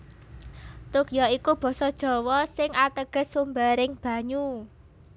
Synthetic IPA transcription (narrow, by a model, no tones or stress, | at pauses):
t̪ukjɔikub̥ɔ̤sɔd̥ʒ̥ɔ̤wɔsɪŋat̪əɡ̥ə̤sumbaɾɪŋb̥a̤ɲu